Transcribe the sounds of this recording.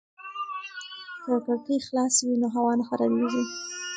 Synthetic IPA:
kəkəkixlɑswinoɦawɑnaxaɾaɾizi

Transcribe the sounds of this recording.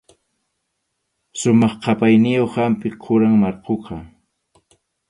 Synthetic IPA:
sʊmɑχqʰɑpajnɪjoχhampɪqʰʊɾaŋmɑɾqʰoqʰɑ

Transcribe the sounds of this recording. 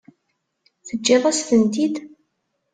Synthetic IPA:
θəd͡ʒːɪðˤæsθənt̪id̪

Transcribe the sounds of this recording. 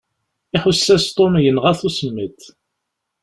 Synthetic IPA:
ɪħʊsːæst̪ˤonjənʁæθusəmːət̪

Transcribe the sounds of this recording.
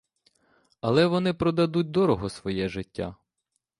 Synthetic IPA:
ɐlˠɛʋɔnɪpɾɔd̪ɐd̪ut̚ʲd̪ɔɾɔɦɔsʋɔjɛʒɪtʲːa̰

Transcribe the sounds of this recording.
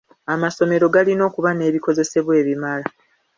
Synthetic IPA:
amaso̞me̞ɾo̞ɡalino̞ːkuβane̞ːβiko̞ze̞se̞βwe̞ːβimala

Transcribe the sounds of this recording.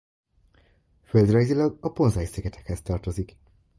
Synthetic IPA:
føld̪rɒjzilɒɡɒpo̞nzɒjsɛɡɛt̪ʰɛkhɛst̪ɒrt̪o̞zik

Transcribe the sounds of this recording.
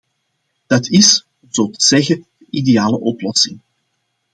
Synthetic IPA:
d̥ɑtʰɪs | ɔmzoːtəz̥ɛɣədənidejaːləʔɔplɔsɪŋ

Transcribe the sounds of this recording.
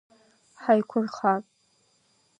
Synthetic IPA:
ħajkʷʰʊrχatʼ

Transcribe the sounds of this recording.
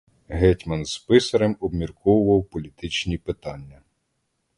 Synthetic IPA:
ɦɛtʲmɐnz̥pɪsɐɾemɔbmʲirkɔwʊʋɐwpɔlʲit̪ɪt͡ʃnʲipɪt̪ɑnʲːɐ

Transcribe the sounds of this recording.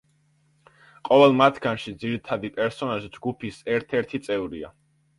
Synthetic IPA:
qʼɔvɛlˠmat̪ʰɡ̥anʃid̪ziɾit̪ʰad̪ipʼɛɾsɔnaʃd͡ʒɡupʰisɛɾt̪ʰɛɾt̪ʰit̪sʼɛvɾia̰

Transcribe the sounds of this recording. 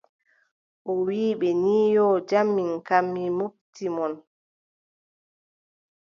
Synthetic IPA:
ʔɔwiːɓɛniːjɔːd͡ʒamːiŋkamːimobtimɔn

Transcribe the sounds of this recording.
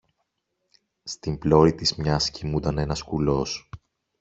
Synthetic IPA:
st̪imblo̞ɾit̪izmɲɐscimud̪ɐne̞nɐskulo̞s

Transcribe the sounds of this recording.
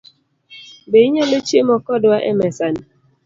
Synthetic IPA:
beiɲalet͡ʃemɔkɔdwaʔɛ̰mɛsan

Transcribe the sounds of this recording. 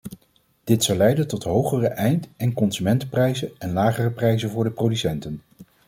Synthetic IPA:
d̥ɪtsɑwlɛjdəntɔtɦowχərəʔɛjntɛnkɔnsymɛntəprɛjzənɛnlaːχərəprɛjzənvʊːɹdəprodysɛntən

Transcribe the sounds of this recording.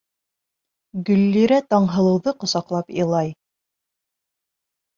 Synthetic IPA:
ɡɵ̆lːiɾæt̪ɑɴɦɤ̆lˠɤ̆wðɤqŏsɑqlˠɑpiɤlˠɑj

